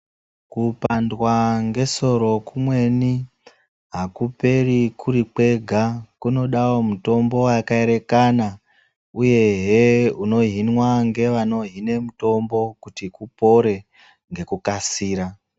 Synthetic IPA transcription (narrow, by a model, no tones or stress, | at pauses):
kupandwaŋɡe̞so̞ɾo̞kumwe̞ni | ɦakupe̞rikʰuɾik͡pwe̞ɡʱakuno̞ɗawomuto̞mbo̞wakae̞ɾe̞kana | uje̞ɦeuno̞ɦinwaŋɡe̞ʋano̞ɦine̞muto̞mbo̞kutikupo̞ɾe̞ | ŋɡe̞kukasiːɾa